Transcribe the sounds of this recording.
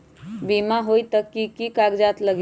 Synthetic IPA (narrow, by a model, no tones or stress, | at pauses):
bimaɦojt̪əkːikikaɡd͡ʒat̪ləɡ